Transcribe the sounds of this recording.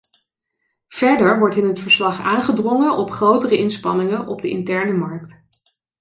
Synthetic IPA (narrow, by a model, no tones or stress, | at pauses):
v̥ɛɹdəɹʋɔɹtɪnɦətfəɹslɑχaːnχədrɔŋəʔɔpχrowtərəɪnspɑnɪŋənʔɔb̚dəʔɪ̰ntɛɹnəmɑɹkt